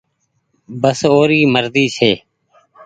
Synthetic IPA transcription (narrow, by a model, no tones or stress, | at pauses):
bəsoːɾiːməɾd̪iːsʰeː